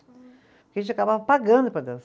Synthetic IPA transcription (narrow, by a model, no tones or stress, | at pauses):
pʊkʲeɐʒẽt͡ʃakabavɐpaɡɐ̃nd̪ʊpɾɐd̪ews